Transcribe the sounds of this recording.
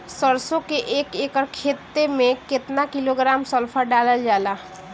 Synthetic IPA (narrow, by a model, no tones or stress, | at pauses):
səɾsõkeʔeːkeːkəɾkʰeːt̪ːemẽkɪt̪nakɪloɡɾaːmsəlpʰaɖaːləld͡ʒaːlaː